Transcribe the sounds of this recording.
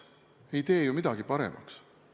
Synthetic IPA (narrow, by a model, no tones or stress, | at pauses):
e̞jt̪e̞ːjumid̪̥ɑɡ̥ipɑɾe̞̰mʔɑ̰ks